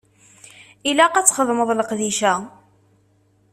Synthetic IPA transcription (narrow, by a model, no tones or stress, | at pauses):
ilæqæt͡sːχəðˤməðˤləqðiʃæ